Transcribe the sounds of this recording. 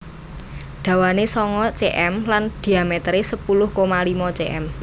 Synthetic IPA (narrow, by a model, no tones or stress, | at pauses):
ɖ̪̥ä̤wanesɔŋɔt͡ʃeʔɛmland̪̥i̤amet̪ɾesəpulʊhkomalimɔt͡ʃeʔɛm